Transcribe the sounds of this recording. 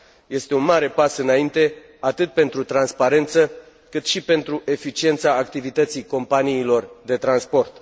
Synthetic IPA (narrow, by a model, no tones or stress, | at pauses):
je̞st̪e̞unmaɾe̞pasɨnaint̪e̞ | at̪ɨt̪̚pe̞nt̪ɾut̪ɾanspaɾe̞nt̪sə | kɨt̪ʃipe̞nt̪ɾuʔe̞fit͡ʃie̞nt̪saːkt̪ivit̪ət̪sijko̞mpaniːlo̞rd̪e̞t̪ɾanspo̞rt̪